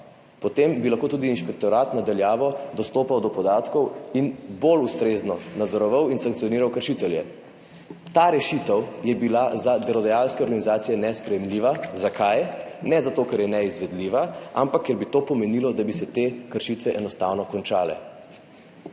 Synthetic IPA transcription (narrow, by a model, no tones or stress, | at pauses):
pɔt̪embilaxkoːt̪ud̪iːnʃpɛk̚t̪ɔɾaːt̪nad̪aljaːʋɔd̪ɔst̪oːpawd̪ɔpɔd̪aːt̪kɔwinbolust̪ɾeznɔnad̪zɔɾɔʋawinsaŋkt̪sijɔniːɾawkəɾʃit̪ɛljɛ̰ | t̪aɾɛʃit̪ɛwjɛbilazad̪ɛlɔd̪ɛjalskɛɔɾɡanizaːt̪sijɛnɛspɾɛjɛmliːʋazakʰajnɛzat̪oːkɛɾjɛnɛizʋɛd̪liʋaampakːɛɾbit̪oːpɔmɛniːlɔd̪abisɛt̪eːkəɾʃit̪ʋɛʔɛnɔst̪aːwnɔkɔnt͡ʃaːlɛ̰